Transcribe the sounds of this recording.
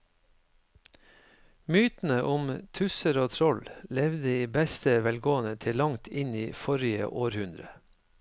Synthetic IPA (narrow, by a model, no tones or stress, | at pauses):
myːt̪n̩əʔʊmt̪ʰʉsəɾoːt̪ʰɾɔllɛʋd̪əiːbɛst̪əʋɛlɡoːənət̪ʰɪlɑŋt̪ʰɪniːfɔɾɪə̰ʔoːɾhʉnd̪ɾə